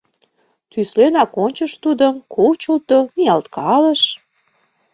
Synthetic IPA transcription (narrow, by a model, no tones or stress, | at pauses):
t̪yslenɑkonʲt͡ɕəʃt̪ud̪əmkʰot͡ɕəlt̪omijɑlt̪kʰɑləʃ